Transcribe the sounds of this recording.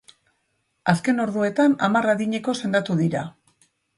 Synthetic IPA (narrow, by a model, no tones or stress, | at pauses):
aske̞no̞ɾðue̞t̪anamaraðiɲe̞ko̞se̞nd̪at̪uðiɾa